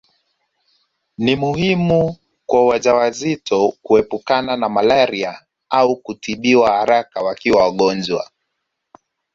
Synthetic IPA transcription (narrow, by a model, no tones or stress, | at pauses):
nimuhimu | kwawaʄawazitʰɔkuɛpukananamalaɾia | aukutiɓiwahaɾakawakiwawaɠɔnd͡ʒwa̰